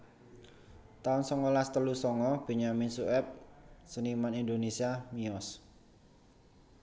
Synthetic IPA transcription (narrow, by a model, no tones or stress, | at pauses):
t̪aʊnsɔŋɔlast̪əlusɔŋɔb̥i̤ɲaminsuɛp̚sənimanind̪onesiamiɔs